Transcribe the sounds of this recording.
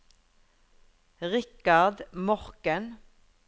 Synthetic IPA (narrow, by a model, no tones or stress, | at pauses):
ʁɪkɑʁd̪mɔʁkən